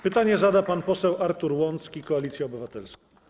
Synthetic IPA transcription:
pɘt̪aɲɛzad̪apanpɔsɛwaɾt̪uɾwɔnt̪skʲikɔalʲit̪sʲjɛɔbɘvat̪ɛlskɔ̃

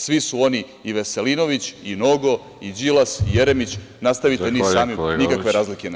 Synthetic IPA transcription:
sʋisuo̞niː | ʋe̞se̞lino̞ʋit͡ɕinoɡo̞ | id͡ʑilasijeɾemit͡ɕ | nast̪aʋit̪enissaːminikakʋe̞ɾaːzlike

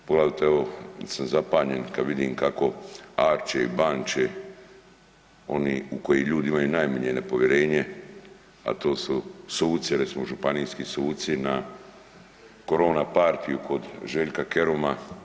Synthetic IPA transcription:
poɡlaːd̪at̪eeosamzapaːɲe̞nkad̪ʋid̪iːmkako̞aːɾt͡ʃeḭbaːnt͡ʃe | o̞niːuko̞jiʎuːd̪iimajunajmaɲenepo̞ʋje̞ɾeːɲe | a̰t̪o̞ːsusuːt̪siɾesimoʒupanijskisuːt̪sina | ko̞ɾo̞ːnapaɾt̪ijuko̞d̪ʒeʎkakeɾoma

